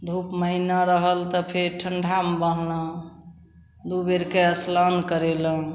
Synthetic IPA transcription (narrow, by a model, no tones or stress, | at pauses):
d̪ʱupməɦinaɾəɦəlt̪ɔpʰeɾʈʰəɳɖʱambəɦlə̃ | d̪ubeɾkeəslɔnkəɾelə̃